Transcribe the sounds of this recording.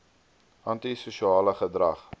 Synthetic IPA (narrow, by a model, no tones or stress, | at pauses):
ʔɑntisuʃiɑːləχədrɐχ